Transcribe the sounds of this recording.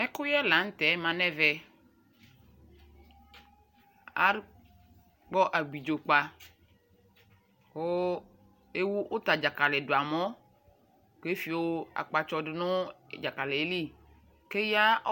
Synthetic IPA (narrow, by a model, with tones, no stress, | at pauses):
ɛ˦ko˦jɛ˦lã˨˦ŋ̩˦t̪ɛ˨˦mã˨nɛ̃˦vɛ˨ | a̰˦ɾ | k͡pɔ˦ʔa˨ɡ͡bi˨d͡ʒo˨k͡pa˨ | ko˦ | e˦wu˦ʔo˦t̪a˨d͡ʒa˨ka˨lɛ˨do˨a˨mɔ̃˦ | ke˦fi˨wo˦a̰˨k͡pa˨t͡ʃɔ˦ɖɪ˨nʊ̃˦˨d͡ʒa˨ka˨le˨˦li˦ | ke˦ja˦